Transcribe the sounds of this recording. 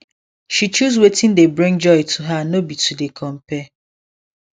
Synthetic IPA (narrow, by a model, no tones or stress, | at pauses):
ʃit͡ʃuzwetɪ̃n̩debɾĩŋd͡ʒɔjɪtʰuɦanobitudekʰɔm̩pɛ